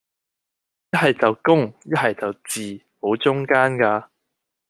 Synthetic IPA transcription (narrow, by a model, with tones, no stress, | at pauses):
jɐ˥t̚ɦɐ˨jt͡sɐ˨wkʊ˥ŋjɐ˥t̚hɐ˨jt͡sɐ˨wt͡siː˨˩ | ho˨˥wt͡ʃʊ˥ŋkaː˥nkaː˧